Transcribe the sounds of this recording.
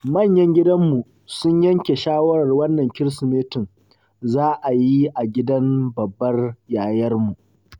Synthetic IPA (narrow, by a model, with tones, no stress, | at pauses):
mɐ˦˨ɲjɐ˦ŋɡʲɪ˦dɐ˦mːu˨ | sʊ˦ɲjɐ˦ŋkʲe˨ʃaː˦wɐ˦ɽɐ˨rwɐ˦nːɐ˨ŋkʲɪ˦ɾsʊ˨meː˦tɪ˨ŋ | zaː˦ʔa˨ji˦ʔa˨ɡʲɪ˦dɐ˦mbɐ˨bːɐ˦rjaː˨jɐ˦rmu˨ʔ